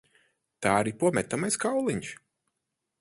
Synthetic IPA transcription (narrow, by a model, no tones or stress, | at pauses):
t̪aːɾipuɔmʲɛt̪amajskawlˠiɲʃ